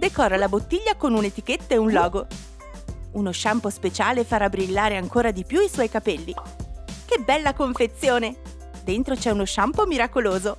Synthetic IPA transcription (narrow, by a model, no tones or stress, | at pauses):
d̪ekɔːralabot̪ːiʎːakonunet̪iket̪ːaeunlɔːɡo | unoʃampospet͡ʃaːlefaɾabɾilːaːɾeaŋkoːɾad̪ipjuiswɔjkapɛlːi | kebːɛlːakoɱfet̪sːjoːne | d̪ent̪ɾot͡ʃɛunoʃampomiɾakoloːzo